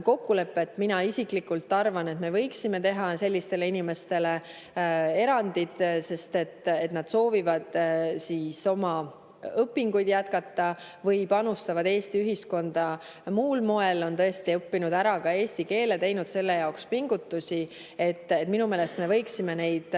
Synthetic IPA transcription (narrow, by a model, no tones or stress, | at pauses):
ko̞kːule̞pːeet̪ːminɑisiklikːult̪ːˑɑrvɑne̞t̪me̞vɤ̞jksime̞t̪e̞ɦɑse̞lʲːist̪e̞le̞inime̞st̪e̞le̞ | e̞ɾɑnd̪̥id̪̥se̞st̪e̞t̪ːet̪nɑd̪̥so̞ːvivɑd̪̥siːso̞mɑ | ɤpːiŋɡujd̪̥jæt̪̚kɑt̪ːɑ | vɤjpɑnust̪ɑvɑd̪e̞ːst̪iyɦisko̞nd̪̥ɑ | muːlmo̞e̞lo̞nt̪ɤe̞st̪iɤpːinud̪̥æɾɑkɑe̞ːst̪ike̞ːlet̪e̞jnud̪̥se̞lːe̞jɑokspiŋɡ̥ut̪ːusʲi | e̞t̪ːet̪ːminume̞ːlest̪me̞vɤ̞jksime̞ne̞jd̪̥